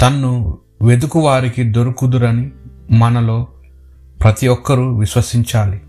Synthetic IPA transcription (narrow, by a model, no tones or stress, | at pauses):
t̪ɐnːu | ʋe̞d̪ukuʋaːɾikid̪o̞ɾukud̪uɾɐnimɐnɐlo̞ː | pɾɐt̪iɔkːɐɾuʋiʃʋɐsiɲt͡ʃaːli